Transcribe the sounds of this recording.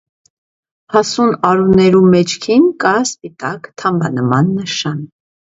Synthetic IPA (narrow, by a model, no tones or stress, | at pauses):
hɑsunɑɾunɛɾumɛt͡ʃʰkʰinkɑspit̪ɑkt̪ʰɑmbɑ̰nəmɑnːəʃɑn